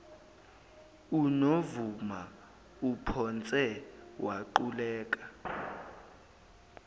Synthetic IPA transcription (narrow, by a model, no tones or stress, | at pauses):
unovuma | upʰɔnt͡sʼɛwʔaǃulɛːk̬ʼḁ